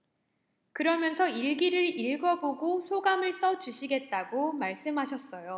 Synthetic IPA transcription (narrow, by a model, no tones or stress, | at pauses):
kɯɾʌmjʌnsʰʌiɭɡiɾɯɾiɭɡʌboɡosʰoɡamɯɭs͈ʌt͡ɕuɕʰiɡe̞t̚t͈aɡomaɭs͈ɯmɦaɕʰʌs͈ʌjo